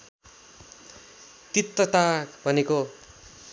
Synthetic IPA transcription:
t̪it̪ːʌt̪abʱʌneko

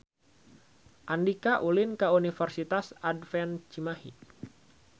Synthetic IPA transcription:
ʔandikaʔulinkaunifərsit̪asadfɛnt͡ʃimahḭ

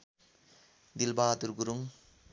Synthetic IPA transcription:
d̪ilbaːt̪uɾɡuɾuŋ

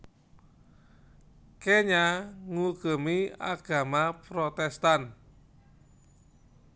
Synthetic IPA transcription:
keɲaŋuɡ̥ə̤mia̰ɡ̥a̤mapɾɔt̪ɛst̪an

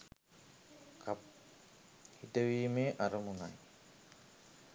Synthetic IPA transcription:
kʰap | hit̪əʋiːmeːʔaɾəmunaj

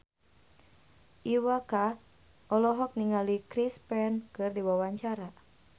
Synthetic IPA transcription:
ʔiwaka | ʔɔlɔɦɔk̚niŋalikɾispɛnkɨrdiwawaɲt͡ʃaɾa

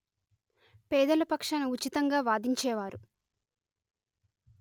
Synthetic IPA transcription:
pɛːd̪ɐlɐpɐkʂɐnɐut͡ʃit̪ɐŋɡaːʋaːd̪iɲt͡ʃɛːʋaːɾu

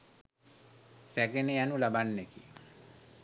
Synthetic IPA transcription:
sɛkenejanulabanːekḭ

